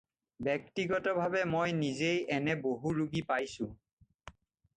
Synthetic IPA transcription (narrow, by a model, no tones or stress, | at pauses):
bɛk̚tiɡɔtɔbʱabɛmojnizejɛnɛboɦuɹuɡipajsʊ̃